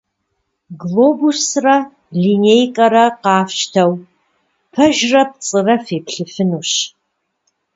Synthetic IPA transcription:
ɡloːbusrɐ | linejkʼɐɾɐqɑːfʃtʰɐw | pʰɐʒrɐp̚t͡sʼɨrɐfeːpɬɨfɨnuːɕ

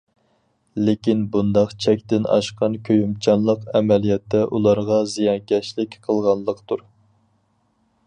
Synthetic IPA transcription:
lɪkʲinbund̪ɑqt͡ʃʰɛk̚ʲt̪ɪnɑ̰ʃqɑnkʲʰøjymt͡ʃʰɑnlˠəqɛmɛlijɛt̪ʰːɛʔulˠɑɾʁɑzijɑnkʲɛʃlɪkʲqʰəlˠʁɑnlˠəqt̪uɾ

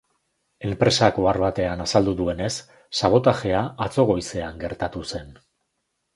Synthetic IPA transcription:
e̞mpɾe̞sako̞aɾβat̪e̞anasald̪uðue̞ne̞sː | aβ̞o̞t̪aʝe̞aat͡so̞ɣ̞o̞jse̞aŋɡe̞ɾt̪at̪use̞n

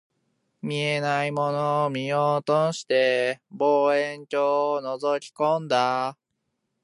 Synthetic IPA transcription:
mʲienaimonomʲijoːt̪oɕi̥t̪e̞boːẽɲt͡ɕoːnozokʲi̥kõnd̪a

